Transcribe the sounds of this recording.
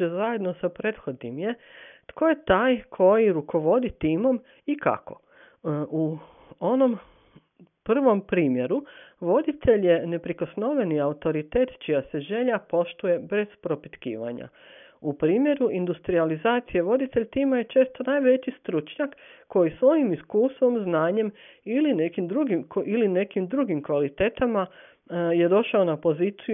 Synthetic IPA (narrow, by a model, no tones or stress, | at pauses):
ezaje̞d̪nosapɾet̪xo̞d̪nimje̞t̪ko̞je̞t̪aːjkʰo̞jiɾukʰo̞ʋo̞d̪it̪iːmo̞m | ika̰ko̞̰ | u | ono̞m | pr̩ʋo̞mpɾiːmje̞ɾuʋo̞d̪it̪ʰe̞ʎjene̞pɾikosno̞ʋeniaut̪o̞ɾit̪eːt̪t͡ʃijase̞ʒe̞ʎapo̞ʃt̪uje̞be̞z̥pɾo̞pit̪kḭːʋa̰ɲa̰ | upɾiːmje̞ɾuind̪ust̪ɾializaːt̪sije̞ʋo̞d̪it̪e̞ʎʲt̪iːmajet͡ʃe̞ːst̪o̞najʋe̞t͡ɕist̪ɾut͡ʃɲakːo̞jisʋo̞jimiskuːst̪ʋo̞mznaːɲe̞miline̞kimd̪ɾuɡimkoiline̞kimd̪ɾuɡimkʋalit̪eːt̪ama | je̞d̪o̞ʃaonapo̞ziːt̪si